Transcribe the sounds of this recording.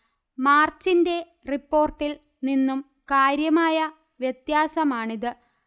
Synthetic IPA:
maːrt͡ɕːinde̞ | ripːo̞ːrʈːil | ninːum | kaːɾjɐmaːjɐ | ʋjet̪jaːsɐmaːɳiðɨ

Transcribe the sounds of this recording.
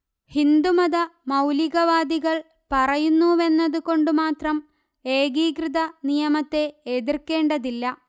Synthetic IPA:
hind̪umɐðɐmɐwliɣɐʋaːd̪iɣɐɭ | pɐrɐjunːue̞nːɐðuko̞ɳɖumaːt̪rɐm | e̞ːɡiːkrɨðɐnijɐmɐt̪ːe̞ːðirkːe̞ːɳɖɐðilːɐ

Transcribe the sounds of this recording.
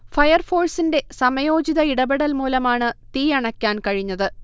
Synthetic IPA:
fɐjɐrfo̞ːɭsinde̞sɐmɐjo̞ːd͡ʑiðɐiɽɐbeɽɐlmuːlɐmaːɳɨt̪iːjɐɳɐkʲːaːnkɐɻiɲːɐðɨ

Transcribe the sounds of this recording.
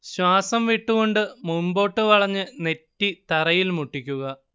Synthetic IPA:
ɕwaːsɐmʋiʈːuɣo̞ɳɖɨmumbo̞ːʈːɨʋɐɭɐɲːɨne̞tːit̪ɐrɐjilmuʈːikʲːuɣɐ

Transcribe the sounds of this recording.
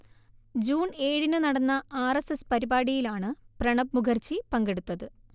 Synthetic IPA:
d͡ʑuːne̞ːɽinɨnɐɽɐnːɐaːresespɐɾibaːɽijilaːɳɨprɐɳɐbmuɡɐrt͡ɕːipɐŋɡeɽut̪ːɐðɨ

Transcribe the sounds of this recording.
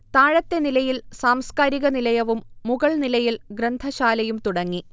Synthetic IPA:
t̪aːɻɐt̪ːe̞nilɐjilsaːmskaːɾiɣɐnilɐjɐʋumːuɣɐɭnilɐjilɡɾɐnd̪ʱɐɕaːlɐjumt̪uɽɐŋːi

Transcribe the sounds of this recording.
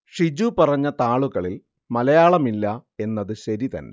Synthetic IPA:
ʂid͡ʑupɐrɐɲːɐt̪aːɭuɣɐɭil | mɐlɐjaːɭɐmilːɐe̞nːɐðɨɕɐɾit̪ɐ̰nːe̞̰

